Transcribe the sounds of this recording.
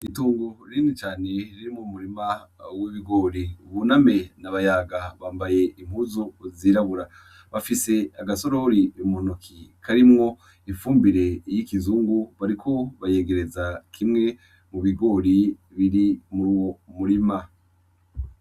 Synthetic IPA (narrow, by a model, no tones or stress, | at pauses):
ituːŋɡuɾinit͡ʃaːne̞ɾiɾimumuɾimawiβiɡo̞ɾiuβuname̞naβajaɡaβaːmbaje̞ʔimhuzoziɾaβuɾa | βafise̞aɡaso̞ɾoɾiβimonokʰikaɾimŋo̞ | ifuːmbiɾe̞jikizuːŋɡuβaɾikʰo̞βaje̞ːɡe̞ɾe̞zakʰimŋe̞ | muβiɡo̞ɾi | βiɾimuɾuːwo̞muɾima